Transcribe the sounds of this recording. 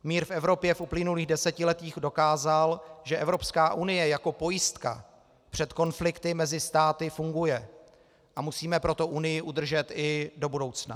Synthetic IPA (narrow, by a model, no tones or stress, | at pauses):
miːɾfɛvɾo̞pjɛfʔuplɪnuliːɣdɛsɛcɪlɛt̪iːxdo̞kaːzalʒɛʔɛvɾo̞pskaːʔunɪjɛjako̞po̞jɪst̪ka̰ | pr̝̥ɛt̪ko̞nflɪkt̪ɪmɛzɪst̪aːt̪ɪfuŋɡujɛ | ʔamusiːmɛpɾo̞t̪o̞ʔunɪjɪʔud̪r̩ʒɛt̪ɪdo̞budo̞wt͡sna̰